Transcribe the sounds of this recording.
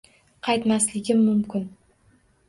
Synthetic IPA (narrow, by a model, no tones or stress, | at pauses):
qʰɑjt̪maslɪɡʲɪmːʊmkʲɪn